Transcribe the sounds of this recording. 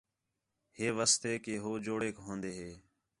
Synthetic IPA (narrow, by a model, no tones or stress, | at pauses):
heːʋəst̪eːkeːɦoːd͡ʒoːɽeːkɦõːnd̪eːɦeː